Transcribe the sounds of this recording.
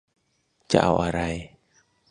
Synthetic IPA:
t͡ʃa̰ʔa̰˧wʔa˧ɾaj

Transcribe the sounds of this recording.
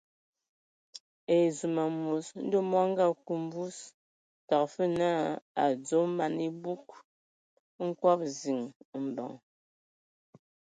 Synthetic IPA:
e˨zu˨ma˨mu˨sn̩˦do˦mɔ˦ŋ̩˦ɡa˦˨ku˨m˦bu˦s | ta˨k̚fə˦na˦a˨d͡zo˨˦ma˨ni˦bu˦k̚ | ŋ̩˦kwa˦p̚zi˨ŋm̩˨bɔ̰˨ŋ

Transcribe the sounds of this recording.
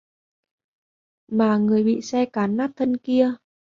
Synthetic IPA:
maː˨˩ŋɨ˨˩əjɓḭ˧˨sɛ˧kaː˨˦nːaː˦˥t̚t̪ʰə˧nki˧ə

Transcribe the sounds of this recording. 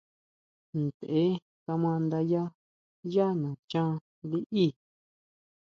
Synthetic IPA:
nd̪e˨ʔe˦ | ka˧mã˧nd̪a˧ja˦ | ja˦nã˨t͡ʃã˦ | li˦ʔi˦˨

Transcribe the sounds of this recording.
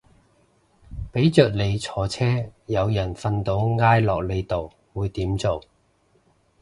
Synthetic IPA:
pe˨˥jt͡ʃœː˨k̚le˨˧jt͡sʰɔː˨˩t͡sʰɛː˥jɐ˨˧wjɐ˨˩nfɐ˧nt̪o˨˥wŋaː˥jlɔː˨k̚le˨˧jt̪o˨w | wuː˨˧jt̪iː˨˥mt͡so˨w

